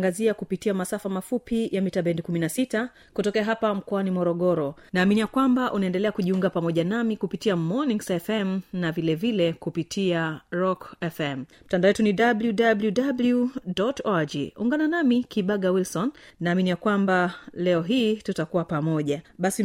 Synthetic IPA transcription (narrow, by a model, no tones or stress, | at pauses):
ŋɡaziakupitiamasafamafupijamitaɓɛndikuminasita | kutɔkɛaɦapam̩kɔanimɔɾɔɠɔɾɔnaːminijakwambaʔunaɛndɛlɛakuʄiuŋɡapamɔʄanamikupitiamɔniŋsɛfɛm̩navilɛvilɛkupitʰiaɾɔkɛfɛmm̩tandawɛtuniɗabljudabljudabljudɔtɔad͡ʒḭṵŋɡananamikiɓaɠawilsɔnːaːminijakwambalɛɔɦiːtutakuwapamɔʄaɓasi